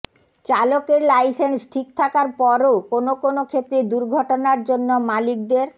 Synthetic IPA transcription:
t͡ɕalokeɾlajsensʈʰik̚t̪ʰakaɾpɔɾookonokonokʰet̪ːɾed̪uɾɡʱɔʈonaɾd͡ʑonːomalik̚d̪eɾ

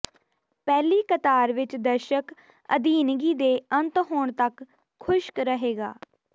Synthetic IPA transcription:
pɛːliːkət̪aːɾʋɪt͡ʃd̪əɾʃək | ə̰d̪iːnɡiːd̪eːənt̪ɦoːɳt̪əkʰː | ʊʃkɾəɦeːɡa̰ː

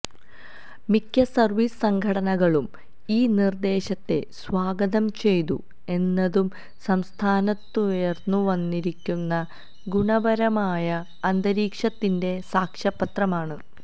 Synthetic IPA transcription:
mikʲːɐsɐrʋissɐŋɡʱɐɽɐnɐɣɐɭum | iːnird̪e̞ːɕɐt̪ːe̞sʋaːɡɐðɐmt͡ɕe̞jt̪ṵ | e̞nːɐðum | sɐmst̪ʰaːnɐt̪ːueːrnːuʋɐnːiɾikʲːunːɐ | ɡuɳɐbɐɾɐmaːjɐː | nd̪ɐɾiːkʂɐt̪ːinde̞saːkʂɐpːɐt̪rɐmaːɳɨ

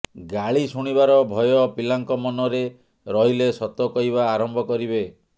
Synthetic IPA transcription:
ɡaɭisuɽ̃ibaɾɔbʱɔjɔpilaŋkɔmɔnɔɾe | ɾɔɦilesɔt̪ɔkɔiβaːɾɔmbʱɔkɔɾibe

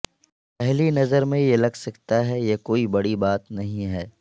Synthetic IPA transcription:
pɛɦlinɐzəɾmẽjelɐɡsɐkt̪aɦɛjekoːibɐɽibaːt̪nɐɦĩɦɛː

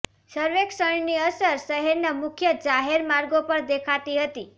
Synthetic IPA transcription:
səɾʋeksəɳniəsəɾʃəɦeɾnamʊkʰjəd͡ʒaɦeɾmaɾɡopəɾd̪ekʰat̪iɦət̪i

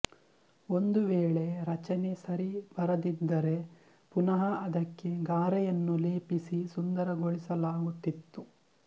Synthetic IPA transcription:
o̞nd̪uʋeːɭe̞ɾɐt͡ʃɐne̞sɐɾibɐɾɐd̪id̪ːɐɾe̞ | punɐɦɐɐd̪ɐkːe̞ɡaːɾɐjɐnːuleːpisisund̪ɐɾɐɡoɭisɐlaːɡut̪ːit̪ːu

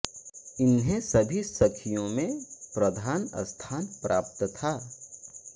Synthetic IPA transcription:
ɪnɦẽsɐbʱisɐkʰijõmẽpɾɐd̪ʱaːnə̰st̪ʰaːnpɾa̰ːp̚t̪t̪ʰaː

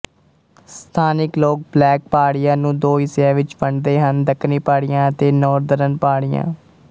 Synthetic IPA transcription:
st̪ʰaːnɪkloːk̚blɛːk̚paːɽɪjãːnũːd̪oːɪsãːʋɪt͡ʃʋəɳd̪eːɦənd̪əkʰnĩːpaːɽɪjãːət̪eːnɔːɾd̪əɾənpaːɽɪjã̰ː

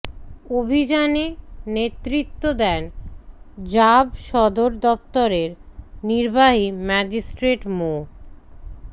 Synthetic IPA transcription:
obʱid͡ʑanenet̪ːɾit̪ːod̪ɛn | d͡ʑabʃɔd̪oɾd̪ɔpt̪oɾeɾniɾbaɦimɛd͡ʑisʈɾeʈmo

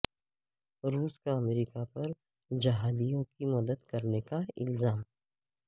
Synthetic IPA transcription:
ɾuːskaɐmɾikapɐɾ | d͡ʒɐɦaːd̪ijõkimɐd̪əd̪kɐɾnekaɪ̰lzaːm

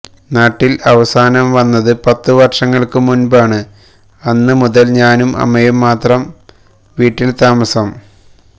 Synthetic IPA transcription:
naːʈːilɐʋɐsaːnɐmʋɐnːɐðɨpɐt̪ːɨʋɐrʂɐŋːɐɭkɨmunbaːɳɨ | ɐnːɨmuðɐlɲaːnumʔɐ̰mɐjumːaːt̪rɐm | ʋiːʈːilt̪aːmɐsɐm

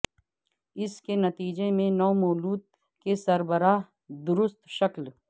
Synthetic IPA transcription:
ɪskenɐt̪iːd͡ʒemẽnɔːmoːluːt̪̚ | kesɐɾbəɾaːɦ | d̪ʊɾʊst̪ʃɐkl

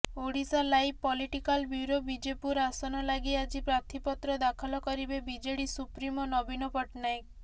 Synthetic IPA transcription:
oɽisalajpːɔliʈikalbjuɾobid͡ʒepuɾasɔnɔlaɡiad͡ʒipɾat̪ʰipɔt̪ɾɔd̪akʰɔlɔkɔɾibebid͡ʒeɽisupɾimɔnɔbinɔpɔʈnajk

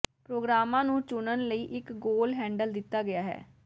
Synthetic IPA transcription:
pɾoːɡɾaːmãːnũːt͡ʃʊnənləiːʔɪkɡoːlɦɛ̃ːɳɖəld̪ɪt̪ːaːɡɪjaːɦɛ̰ː

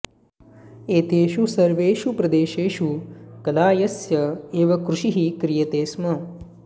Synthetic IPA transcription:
eːt̪eːʃusɐɾʋeːʃupɾɐd̪eːʃeːʃukɐlaːjɐsjɐeːʋɐkɾuʃiɦikɾijɐt̪eːsmɐ

